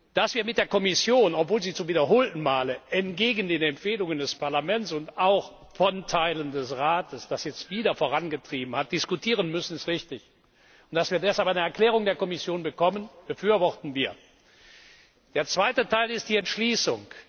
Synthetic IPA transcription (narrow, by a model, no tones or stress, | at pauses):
d̥asv̥iːɐmɪt̚d̥eːɐkɔmɪsjoːnɔpv̥oːlziːt͡sʊmviːdɐɦoːltn̩maːləʔɛntɡ̥eːɡn̩deːnɛmfeːlʊŋəndɛspaɐlamɛnt͡sʊntaʊx | fɔntʰaɪləndɛsʁaːtəsd̥asjɛt͡stv̥iːdɐfoːʁanɡətʁ̥iːbm̩hat̚d̥ɪskutʰiːʁ̞ənmʏsn̩ɪstʁɪçtɪç | ʊnt̚d̥asv̥iːɐdɛshalpaɪnəɛɐklɛːʁ̞ʊŋdeːɐkɔmɪsjoːnbəkʰɔmənb̥əfyːɐvɔχtn̩viːɐ | d̥eːɐt͡sv̥aɪtətʰaɪlɪst̚d̥iːɛntʃliːsʊŋk